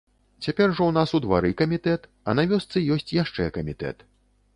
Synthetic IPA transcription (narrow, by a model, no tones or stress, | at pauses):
t͡sʲapʲɛrʐɔwnasud̪va̰ɾɨkɐmʲit̪ɛt̪ | ɐ̰navʲɔst̪sɨjɔsʲt͡sʲjaʂt͡ʂɛkɐmʲit̪ɛ̰t̪